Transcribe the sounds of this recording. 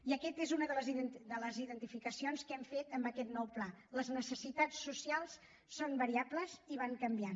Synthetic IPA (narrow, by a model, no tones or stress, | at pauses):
iəkɛt̪ezunəðələziðənd̪ələziðənt̪ifikəsionskɛmfet̪əmbəkɛt̪nɔwplaləznəsəsit̪at͡sːusialˠs | sonbəɾiabləziβ̞aŋkəmbia